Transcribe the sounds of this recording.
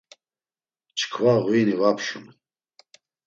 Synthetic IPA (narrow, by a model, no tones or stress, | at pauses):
t͡ʃʰkʰvaʁwinivapʰʃum